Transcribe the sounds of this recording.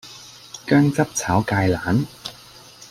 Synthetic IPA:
kœː˥ŋt͡sɐ˥p̚t͡sʰaː˨˥wkaː˧jlaː˨˥n

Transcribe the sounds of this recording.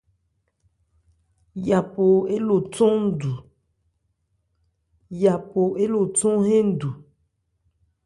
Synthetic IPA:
ja˨po˨e˦lo˨tõ˦n̩˦du˨ | ja˨po˨e˦lo˨tɔ̃˦ɦẽ˦n̩˦du˨

